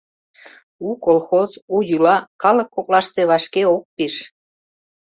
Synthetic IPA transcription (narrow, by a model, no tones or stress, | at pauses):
ukolxozujylɑkɑləkːoklɑʃt̪e̽βɑʃkeok̚piʃ